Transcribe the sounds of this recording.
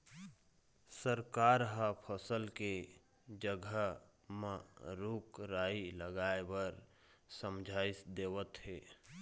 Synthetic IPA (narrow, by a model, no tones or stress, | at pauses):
səɾkaːɾɦapʰəsəlke | d͡ʒəɡʱə | mãɾuːkɾaːiləɡaːebəɾ | səmd͡ʒʱaːɪsd̪eːwət̪ɦeː